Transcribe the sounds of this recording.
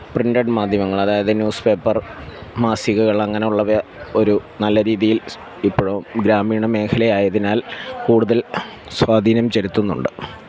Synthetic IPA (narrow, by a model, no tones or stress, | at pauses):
prinɖɐɖmaːd̪ʱjɐmɐŋːɐɭɐðaːjɐðɨnjuːspe̞ːpːɐrmaːsiɣuɣɐɭɐŋːɐne̞uɭːɐʋɐo̞ɾunɐlːɐɾiːðijil | ipːoɻuɡɾaːmiːɳɐme̞ːkʰɐlɐjaːjɐðinaːlkuːɽuðɐl | swaːd̪ʱiːnɐmt͡ɕeɾit̪ːunːṵɳɖɨ